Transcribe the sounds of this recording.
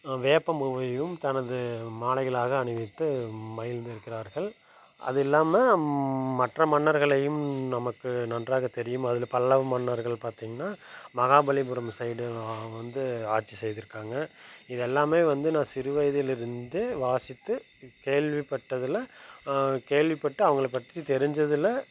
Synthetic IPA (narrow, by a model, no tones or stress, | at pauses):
ʋeːpːɐmʋɐjɯmt̪ɐnɐðɯmaːlɐɪɣɐɭaːɣɐːɳɯʋɪt̪ːɯmɐjɪld̪ɪɾɯkːɪɾaːɾɣɐɭ | ɐ̰ðɯɛlːaːmɐ | mɐʈrɐmɐnːɐɾɣɐɭɐjɯmnɐmɐkːɯnɐndraːɣɐt̪ɛɾɪjɯmɐðɪlpɐlːɐʋmɐnːɐɾɣɐɭpaːɾt̪iːŋɡɐnaːmɐɣaːbɐɭibʊɾɐmsɐɪɽɯʋɐnd̪ɯaːʈt͡ʃːisɛjðɪɾɯkːaːŋɡɐɪðɛlːaːmeːʋɐnd̪ɯnãːsɪɾɯʋɐjðɪlɪɾɯnd̪ɯʋaːsɪt̪ːɯ | keːɭʋipːɐʈːɐðɯlɐ | keːɭʋɪpːɐʈːɯɐʋɐŋɡɐɭpːɐʈ̪ːit̪ɛɾɪɲd͡ʒɐðɯlɐ